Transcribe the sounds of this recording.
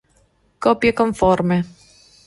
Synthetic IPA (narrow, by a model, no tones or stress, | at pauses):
kɔpjekoɱfɔrme